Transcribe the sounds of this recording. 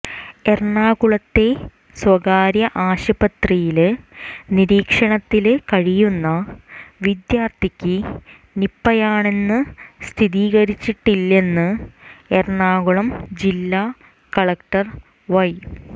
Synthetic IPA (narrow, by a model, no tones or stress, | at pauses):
e̞rɳaːɣuɭɐt̪ːe̞ | swɐɡaːɾjɐʔaːɕɐbɐt̪rijil | niɾiːkʂɐɳɐt̪ːilkɐɻijunːɐʋid̪jaːrt̪ʰikʲːɨ | nipːɐjaːɳe̞nːɨst̪ʰiðiːɣɐɾit͡ɕːiʈːilːe̞nːɨerɳaːɣuɭɐmd͡ʑilːaː | kɐɭɐkʈɐr | ʋɐj